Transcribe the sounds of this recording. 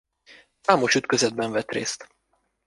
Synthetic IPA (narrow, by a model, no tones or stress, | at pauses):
saːmo̞ʃyt̪køzɛd̪̚bɛɱvɛt̪rḛːst̪